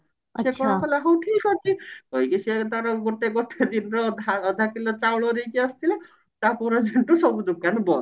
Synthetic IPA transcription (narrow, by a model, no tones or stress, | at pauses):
ekɔɽ̃ɔkʰɔlaɦowʈʰikɔt͡ʃʰikɔjkiset̪aɾɔɡoʈeɡoʈed̪inɔɾɔaːd̪ʱakilɔt͡ʃawɭɔɾejkiɔst̪ʰile | t̪apɔɾɔd͡ʒeɳʈusɔbud̪ukanbɔ